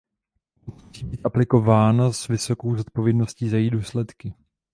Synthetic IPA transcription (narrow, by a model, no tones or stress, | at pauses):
mmusiːbiːt̪ʔaplɪko̞vaːnazvɪso̞ko̞wzo̞t̪̚po̞vjɛdno̞sciːzajiːduːslɛt̪kɪ